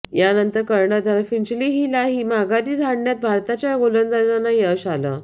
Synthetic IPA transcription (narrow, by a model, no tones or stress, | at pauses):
janənt̪əɾkəɾɳəd̪ʱalfiɳt͡ɕliːɦiːlaɦiːmaɡaɾiːd͡z̪ʱaɽɳjat̪̚bʱaɾt̪at͡ɕjaɡolənd̪əɾd͡zanːajeɕalə̰